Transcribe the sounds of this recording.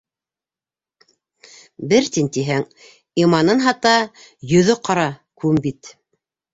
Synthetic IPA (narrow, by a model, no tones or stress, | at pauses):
bɘɾt̪int̪iɦæŋ | imɑnɤnɦɑt̪ɑjɵ̆ðɵqɑɾɑkʉmbit̪